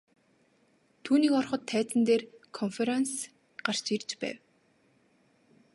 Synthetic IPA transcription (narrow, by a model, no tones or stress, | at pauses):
t̪ʰuːniːkɔrχɞ̆t̪ʰːæːt͡sɘ̆nt̪eːrkʰɔnfeɾens | ɢ̥ar̥t͡ɕirt͡ɕpæ̰ːw